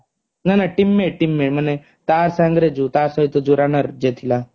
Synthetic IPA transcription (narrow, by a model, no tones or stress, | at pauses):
nanaʈimːeʈimːeɭməne | t̪aɾsãŋɡɾed͡zut̪aɾsəɦit̪od͡zuɾanəɾd͡ʑet̪ʰila